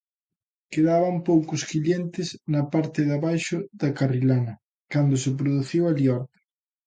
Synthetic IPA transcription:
keðaβɐmpowkʊskiʎjent̪ɪznɐpaɾt̪ɪðaβajʃʊðɐkarilanɐ | kand̪ʊsɪp̬ɾoðuθiwaliɔɾt̪ɪ̥

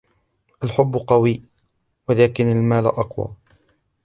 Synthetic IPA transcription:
ʔalħʊbːʊqɑwiː | waðaːkɪnalmaːlʔɑqwa̰ː

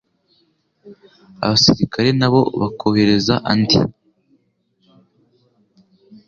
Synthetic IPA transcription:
a̰βasiɾikʰaɾe̞naβo̞βakʰohe̞ɾe̞zaʔandḭ

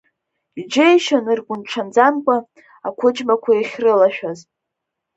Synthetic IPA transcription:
id͡ʒejʃanɨrɡʷʊnʈ͡ʂʰand͡zamkʷʼa | akʷʰʊd͡ʒmakʷʰajaχʲrɨlaʃᶣaz

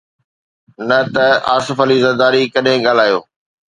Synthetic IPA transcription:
nɐt̪ɐaːsɪfɐlizɐɾd̪aːɾikɐɗɦẽɠaːl̤aːjo̰ː

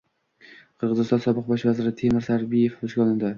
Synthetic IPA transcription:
qʰɨɾʁɨzɨɪst̪ɒnsɒbɨq̚bɒʃvazɪɾɪt̪ʰe̞mɪɾsaɾbije̞fbʊʃɡʲɒlˠɪnd̪ɪ

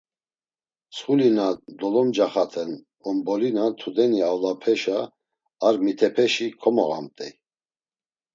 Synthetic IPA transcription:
sχulinad̪ɔlɔmd͡ʒaχat̪ʰɛn | ɔmbɔlinat̪ʰud̪ɛniawlapʰɛʃaː | ɾmit̪ʰɛpʰɛʃikʰɔmɔɣa̰mt̪ʼɛ

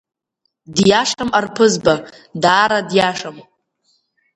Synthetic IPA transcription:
djaʂamarpʰɨzba | daːɾadjaʂam

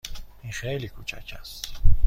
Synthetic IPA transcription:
ĩχɛːlikʰut͡ʃʰa̰t͡ʃʰas

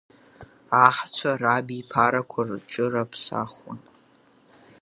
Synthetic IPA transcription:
aħt͡ɕʷʰarabipʰaɾakʷʰart͡ʃʼɨrapʰsa̰χʊ̰n

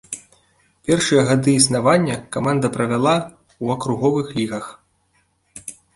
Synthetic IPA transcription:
pʲɛrʂɨjɐɣad̪ɨisnavanʲːɐkamand̪ɐpɾɐvʲalˠa | uɐkɾuɣɔvɨxlʲiɣɐx

